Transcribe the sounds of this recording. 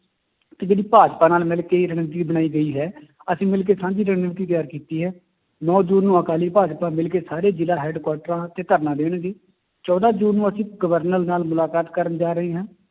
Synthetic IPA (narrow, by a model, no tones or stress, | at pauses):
t̪eːd͡ʒeːɽiːpaːd͡ʒpaːnaːlmɪlkeːiːɾəɳəʋt̪̬iːbəɽaːiːɡəiːɦɛː | əsĩːmɪlk̬eːsãːd͡ʒiːɾəɳnʋt̪iːt̪jaːɾkiːt̪iːɦɛː | nɔːd͡ʒuːnːũːəkaːliːpaːd͡ʒpãːmɪlk̬eːsaːɾeːd͡ʒɪlaːɦɛːɖkwaːʈəɾãːt̪eːt̪əɾnãːd̪eːɽ̃ɡeː | t͡ʃɔːd̪aːd͡ʒuːnːũːəsĩːɡəʋəɾnəlnaːlmʊlaːkaːt̪kəɾənd͡ʒaːɾəɦeːɦãː